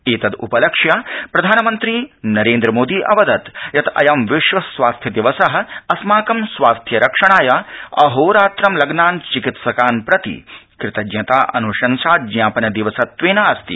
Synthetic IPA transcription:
eːt̪ɐd̪ṵpɐlɐkʂjaːpɾɐd̪ʱaːnɐmɐnt̪ɾiːnɐɾeːnd̪ɾɐmoːd̪iːʔɐ̰ʋɐd̪ɐt̪jɐt̪ɐ̰jɐmʋɪʃʋɐsʋaːst̪ʰjɐd̪iʋɐsɐɦɐ̆ɐsmaːkɐmsʋaːst̪ʰjɐɾɐkʂɐɳaːjaːɐɦoːɾaːt̪ɾɐmlɐɡnaːnt͡ʃikit̪sɐkaːnpɾɐt̪ḭkɾɪt̪ɐd͡ʒjɐt̪aːʔɐ̰nuʃɐnsaːd͡ʒ̪ɲaːpɐnɐd̪iʋɐsɐt̪ʋeːnaːɐst̪ḭ

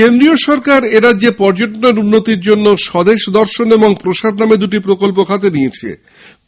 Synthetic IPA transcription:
end̪ɾioʃɔɾkaɾeɾadʑepɔɾd͡ʑoʈonoɾunːot̪iɾd͡ʑonːoʃɔd̪eʃd̪ɔɾʃoneboŋpɾoʃad̪named̪uʈ̬ipɾokolp̬okʰat̪̬enijet͡ɕʰḛ

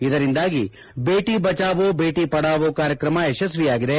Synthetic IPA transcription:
id̪ɐɾind̪aːɡi | beːʈibɐt͡ʃaːʋobeːʈipɐɽaːʋoːkaːɾjɐkɾɐmɐeʃɐs̬ʋijaːɡid̪e̞

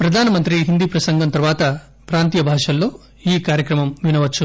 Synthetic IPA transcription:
pɾɐd̪ʱaːnɐmɐnt̪ɾiɦind̪iːpɾɐsɐŋɡʱɐnt̪ɐɾʋaːt̪ɐ | pɾaːnt̪ijɐbʱaːʂɐllo̞ː | iːkaːɾjɐkɾɐmɐmʋinɐʋɐt͡ʃːu

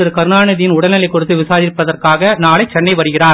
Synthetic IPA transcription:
ɐɾɯkɐɾɯɳaːɳɐðɪjɪnʊɽɐnɐlɐɪkːɔɽɯt̪ːɯʋɪsaːðɪɾpːɐðɐrkaːɣɐnaːɭɐɪt͡ʃːɛɳːɐɪʋɐɾɯɣɪraːɾ

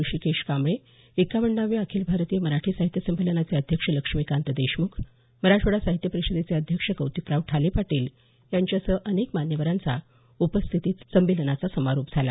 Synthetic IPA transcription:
uɕikeʂkamɭe | ekaʋəɳɖaʋeakʰiːlbʱaɾt̪ijəməɾaʈʰiːsaɦit̪jəsəmbʱilənat͡seəd̪ʱjəkʂələkʂmikant̪əd̪eɕmukʰ | məɾaʈ͡ʂʋəɽasaɦit̪jəpəɾisəd̪et͡seəd̪ʱjəkʂəkəwt̪ipɾaʋʈʰalepaʈiːl | jaɲt͡ɕjasəʔənekmanjəʋəɾant͡sa̰ | upəst̪ʰit̪iːt̪t͡səmbilnat͡sasəmaɾopd͡zʱala̰

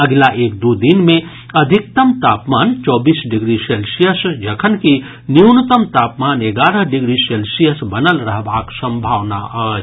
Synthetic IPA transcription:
əɡlaʔeːk̚d̪ud̪inmẽ | əd̪ʱik̚t̪əmt̪aːpmaːnt͡ʃɔːbisɖiɡɾiselsijəsd͡ʒəkʰənki | njiunət̪əmt̪aːpmaːneɡaːɾəɦɖiɡɾiselsijəsbənəlɾəɦbaːksə̃mbʱaːʋna̰ə

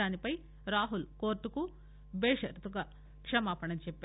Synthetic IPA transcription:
aːnipɐj | ɾaːɦulkoːɾʈːuku | bɛːʂɐɾt̪uɡɐ | kʂɐmaːpɐɳɐnt͡ʃɛpːe

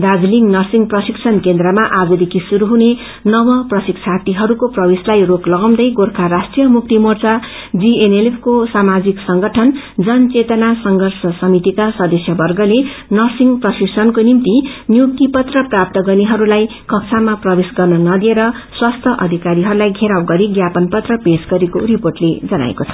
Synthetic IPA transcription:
d̪ad͡zliŋɡnʌrsiŋɡprʌsikt͡sʰʌnkend̪rʌmaʔaɡud̪ekʰisuɾuɦune | nʌwʌprʌsikt͡sʰat̪iɦʌɾukoprʌbeslajroklʌɡʌw̃d̪ʌjɡorkʰaɾasʈrijʌmuk̚t̪imort͡sa | d͡zienelepʰkosamad͡ziksʌŋɡʌʈʰʌn | d͡zʌnt͡set̪ʌnasʌŋɡʱʌrsʌsʌmit̪ikasʌd̪ʌsjʌbʌrɡʌlenʌsiŋɡprʌsisʌnkonimt̪injukt̪ipʌt̪rʌprap̚t̪ʌɡʌniɦʌɾulaj | kʌk̚t͡sʰamaprʌbesɡʌrnʌnʌd̪ieɾʌ | swast̪ʰjʌʔʌ̰d̪ʱikaɾiɦʌɾulajɡʱeɾawɡʌɾiɡjapʌnpʌt̪rʌpesɡʌɾikoriporʈled͡zʌna̰ḛkot͡sʰʌ̥

